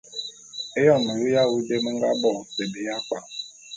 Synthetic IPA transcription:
e˦jɔ˦˨me˨ɾi˦ja˦ɣu˦de˦m̩˦ŋ˦ɡa̰˦bɔ˨te˨bi˨ja˦k͡pa˨

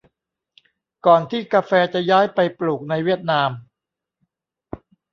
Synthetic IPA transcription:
kɔː˨˩nt̪ʰiː˥˩kaː˧fɛː˧t͡ɕa˨˩jaː˦˥jpa˧jpluː˨˩k̚na˧jwi˥˩ət̪̚naː˧m

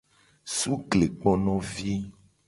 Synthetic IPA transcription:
su˦kle˨k͡pɔ˦nɔ̃˦vi˦

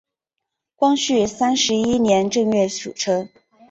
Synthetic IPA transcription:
kwɑ˥ŋɕy˥˩sa˥nʂɻ̩˧˥i˥njɛ˧˥nʈ͡ʂɤ˥˧ŋɥɛ˥˩ɕṵ˨˩ʈ͡ʂʰɤ˥ŋ

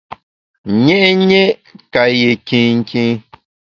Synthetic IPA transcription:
ɲɛ˦ʔɲe˦ka˨je˨kĩ˦ŋ̩˦kĩ˦

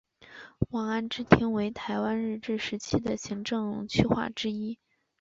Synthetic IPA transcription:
wɑ˨˩ŋa˥˩nʈ͡ʂɻ̩˥t̪ʰi˥ŋwe˧˥ɪt̪ʰa˧˥ɪwa˥nɻ̩˥˧ʈ͡ʂɻ̩˥˩ʂɻ̩˧˥t͡ɕʰi˥d̪ə˨ɕi˧˥ŋʈ͡ʂɤ˥˧ŋt͡ɕʰy˥xwa̰˥˩ʈ͡ʂɻ̩˥i˥

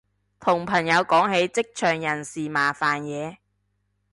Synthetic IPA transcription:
t̪ʰʊ˨˩ŋpʰɐ˨˩ŋjɐ˨˧wkɔː˨˥ŋɦe˨˥jt͡sɪ˥k̚t͡ʃʰœː˨˩ŋjɐ˨˩nsiː˨˩maː˨˩faː˨njɛː˨˧

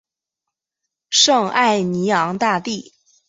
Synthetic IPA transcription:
ʂɤ˥˧ŋa˥˩ɪni˧˥ɑ˧˥ŋt̪a˥˧t̪i˥˩

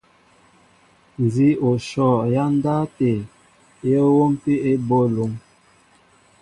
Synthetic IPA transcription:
n˨zi˦o˨ʃɔ˦˨ja˦n˦da˦te˨ | jə˦wo˦m˦pi˦e˦bo˦lo˨˦ŋ

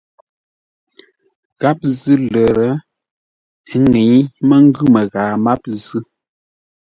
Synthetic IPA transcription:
ɣa˦p̚zɨ˦lə˨ɾə˦ | ŋe˨˦mə˦ŋ̩˦ɡʉ˦mə˨ɣaː˨ma˦p̚zɨ˦

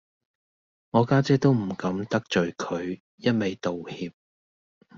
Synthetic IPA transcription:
ŋɔː˨˧kaː˥t͡sɛː˥t̪o˥wm̩˨˩kɐ˨˥mt̪ɐ˥k̚t͡ʃɵ˨ɥkʰɵ˨˧ɥ | jɐ˥t̚me˨jt̪o˨whiː˧p̚

